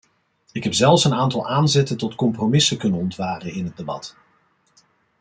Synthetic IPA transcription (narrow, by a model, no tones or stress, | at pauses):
ɪkɦɛpz̥ɛlˠfsənaːntɑlˠʔaːnzɛtəntɔtkɔmpromɪsəkɵnənɔntʋaːrənɪnɦəd̚debɑ̰t